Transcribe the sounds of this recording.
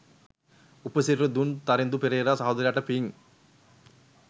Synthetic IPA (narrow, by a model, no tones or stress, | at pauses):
upɐsiɾɾɐd̪unt̪ɐɾend̪upeɾejɾasɐɦod̪ɐɾijaʈɐpiŋ